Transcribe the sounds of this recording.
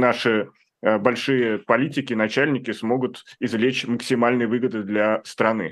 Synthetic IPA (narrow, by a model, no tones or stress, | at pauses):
naʂɨ | bɐlʲʂɨjəpɐlʲitʲɪkʲɪnɐt͡ɕælʲnʲɪkʲɪsmo̞ɡʊt̪ɪzvlʲet͡ɕməksʲɪmalʲnɨjəvɨɡəd̪ɨd̪lʲɐst̪ɾɐnɨ̰